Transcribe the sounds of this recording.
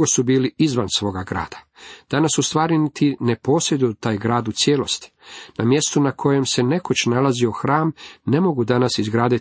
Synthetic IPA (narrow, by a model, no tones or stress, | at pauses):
osubiːliizʋansʋo̞ːɡaɡɾa̰ːd̪̥ḁ | d̪̥anasːust̪ʋaːɾinit̪ine̞po̞ːsɾed̪ut̪aːjɡɾaːd̪ut̪sjeːlo̞st̪i̥ | namje̞st̪unakʰo̞je̞mse̞ne̞kot͡ɕnalazio̞xɾaːmne̞mo̞ɡud̪anasizɡɾaːd̪it̪